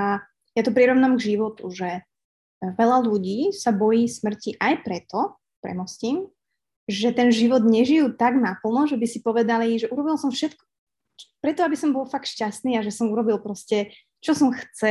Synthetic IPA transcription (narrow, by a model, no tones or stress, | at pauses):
a | jat̪ɔp̬ɾiɾɔʋnamɡʒiʋɔt̪uʒɛ | ʋɛʎaluɟiːsabɔjiːsmr̩ciʔajpɾɛt̪ɔ | pɾɛ̰mɔsciːm | ʒɛt̪ɛnʒiʋɔd̪ɲɛʒijuːt̪aɡnapl̩nɔʒɛbisipɔʋɛd̪aliʒɛʔuɾɔbilsɔmfʃɛt̪kɔ̥ | t͡ʃpɾɛt̪ɔabisɔmbɔlfakt̪ʃcast̪niːaʒɛsɔmuɾɔbilpɾɔscɛ | t͡ʃɔsɔmxt͡sɛ